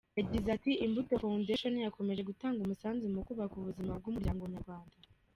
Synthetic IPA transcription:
jaɟizatiimbuto̞fandeʃonijako̞me̞ʒe̞ɡutaːŋɡumusaːnzimukuβakuβuzimab̚ɡumuɾɟaːŋɡoβɲaɾɡwaːnda

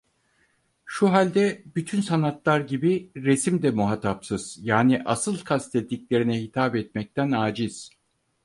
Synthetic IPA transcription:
ʃuɦalʲd̪ɛbyt̪ʰynsanat̪lˠaɾɟibiɾesimd̪ɛmuɦat̪ʰapsɯz̥jaːniʔasɯlˠkʰast̪ʰɛt̪ʰːiclʲe̞ɾinɛhit̪ʰaːpɛt̪mɛc̚t̪ʰænaːd͡ʒiz̥

